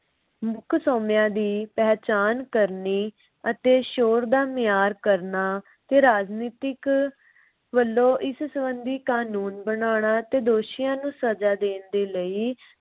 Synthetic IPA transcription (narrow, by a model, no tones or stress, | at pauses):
mʊkʰsɔːmjãːd̪iːpɛːt͡ʃaːnkəɾniː | ət̪eːʃoːɾd̪aːmɪjaːɾkəɾnaː | t̪eːɾaːd͡ʒniːt̪ɪk | ʋəlːõːʔɪssəbənd̪iːkaːnuːnbənaːɳ̃aːt̪eːd̪oːʃɪjãːnũːsəd͡ʒaːd̪eːnd̪eːləiː